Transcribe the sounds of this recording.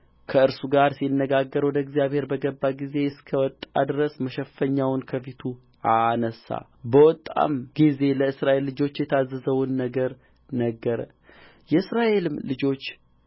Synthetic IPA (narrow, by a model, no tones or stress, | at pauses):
kʰəɨɾsuɡaɾsinːəɡaɡːəɾwɔd̪əɡzijaβhe̞ɾbəɡəbːaɡize̞ɨskʰəwɔt̪ʼːa̰d̪ɨɾəsməʃɛfəɲːawnkʰəfit̪ʰu | anəsa̰ | bəwɔt̪ʼːa̰mɡ̥ize̞ləɨsɾaʔe̞lːɨd͡ʒo̞t͡ʃːjɛt̪ʰazːəzəwnːəɡəɾ | nəɡːəɾə̰ | jɛɨsɾaʔe̞lɨmlɨd͡ʒo̞t͡ʃː